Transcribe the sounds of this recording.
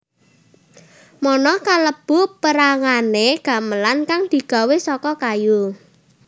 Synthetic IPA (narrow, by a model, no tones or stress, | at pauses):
mɔnɔkaləb̥ʊ̤pəɾaŋaneɡ̥ä̤məlankaŋd̪̥i̤ɡ̥a̤wesɔkɔkaju